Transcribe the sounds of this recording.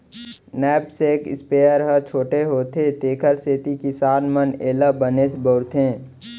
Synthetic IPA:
nɛːpseːkɪ̰speːjəɾɦət͡ʃʰoːʈeɦoːt̪ʰet̪eːkʰəɾseːt̪ikisaːnməneːlabəneːsboɾt̪ʰẽː

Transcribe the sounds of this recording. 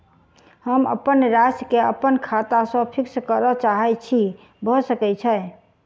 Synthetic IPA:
həmə̰pənɾaskeəpːənkʰat̪asə̃pʰikskəɾət͡ʃaɦɛt͡ʃʰi | bʱɔsəkɛt͡ʃʰəj

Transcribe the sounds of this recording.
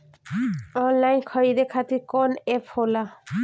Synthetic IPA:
ɔnlajnkʰɔɹidekʰat̪ikɔnɛpʰhola

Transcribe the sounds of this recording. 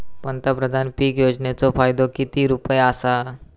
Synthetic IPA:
pənt̪əpɾəd̪ʱanpiːkjod͡znet͡sɔfajd̪okit̪iːɾupəjasa

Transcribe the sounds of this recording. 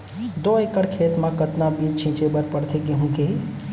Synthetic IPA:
d̪oːekəɽkʰeːt̪mãkət̪nabiːt͡ʃʰĩːt͡ʃebəɾpəɽt̪ʰeɡeɦũːɡeː

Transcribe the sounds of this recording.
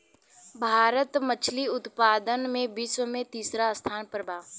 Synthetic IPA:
bʱaːɾət̪mət͡ʃʰliʊt̪paːd̪ənmẽbiːswəmẽt̪iːsɾast̪ʰaːnpəɾbʱaː

